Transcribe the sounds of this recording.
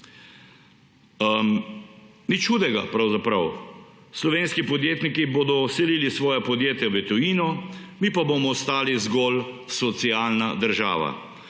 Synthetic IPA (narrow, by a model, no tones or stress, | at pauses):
nit͡ʃxuːd̪ɛɡapɾawzapɾaw | slɔʋeːnskipɔd̪jeːt̪nikiboːd̪ɔsɛliːlisʋɔːjapɔd̪jeːt̪jaʋɛt̪ɔiːnɔ | miːpaboːmɔst̪aːlizɡɔːlsɔt̪siaːlnad̪əɾʒa̰ːʋa̰